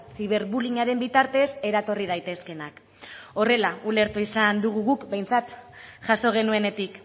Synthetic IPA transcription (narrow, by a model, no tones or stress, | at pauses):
siβ̞e̞ɾβuliɲaɾe̞mbit̪aɾt̪e̞se̞ɾat̪o̞rið̞ajt̪e̞ske̞nak | o̞re̞laule̞ɾt̪uisand̪uɣ̞uɣukbe̞jnt͡sat̪ʝaso̞ɣ̞e̞nue̞ne̞t̪ik